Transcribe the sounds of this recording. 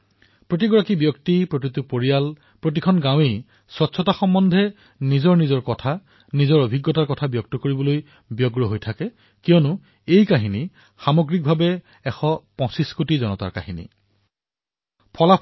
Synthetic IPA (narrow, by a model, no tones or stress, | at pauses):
pɹot̬iɡɔɹakibjɔktipɹokɹit̪upoɹijal | pɹot̬ikʰɔnɡãw̃ej | swɔtsʰɔtaxɔmːɔndʱɛ | nizɔɹnizɔɹkɔtʰa | nizɔɹobʱiɡːɔtaɹkɔtʰabjɔk̚tɔkoɹibɔloj | bjɔɡɹɔɦojtʰakɛ | kijɔnʊ | ejkaɦini | xamɔɡɹik̚bʱabɛ | ɛxɔpɔ̃siskotizɔnɔta̰ɹka̰ɦinḭ | pʰɔla